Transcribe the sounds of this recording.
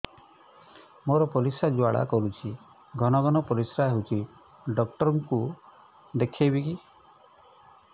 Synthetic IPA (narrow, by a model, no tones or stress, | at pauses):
moɾɔpɔɾisad͡ʒuaɭa̰kɔɾut͡ʃʰi | ɡʱɔnɔɡʱɔnɔpɔɾisɾaɦewt͡ʃʰi | ɖɔk̚ʈɔɾɔŋku | d̪ekʰebiki